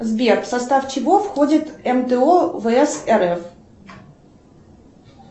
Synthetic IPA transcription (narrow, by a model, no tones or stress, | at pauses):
zbʲerksɐst̪aft͡ɕɪvofxodʲɪt̪ɛmt̪əovɨɛsɛɾɛf